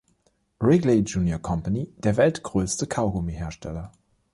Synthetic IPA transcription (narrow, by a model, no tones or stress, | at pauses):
ʁɪɡled͡ʒuːnjokʰɔmpanid̥eːɐvɛltɡ̥ʁøːstəkʰaʊɡomiheːɐʃtʰɛlɐ